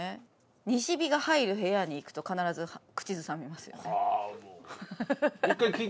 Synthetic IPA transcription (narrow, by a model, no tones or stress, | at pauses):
e | ɲ̟iɕibʲiɡahaiɾɯ̟ɦe̞jaɲ̟iːkɯ̟̥t̪o̞kanaɾazɨhkɯ̟̥t͡ɕizɨsãmʲimasɨjo̰ne | ikːaii